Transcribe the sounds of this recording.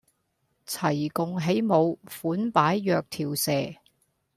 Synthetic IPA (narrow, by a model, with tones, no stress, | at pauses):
t͡sʰɐ˨˩jkʊ˨ŋɦe˨˥jmo˨˧wfuː˨˥npaː˨˥jːœː˧k̚t̪ʰiː˨˩wsɛː˨˩